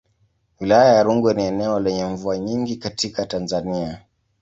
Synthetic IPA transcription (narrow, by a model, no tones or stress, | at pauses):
wilajajaɾuŋɡwɛniɛnɛɔlɛɲɛɱvuaɲiŋɡikatikatanzania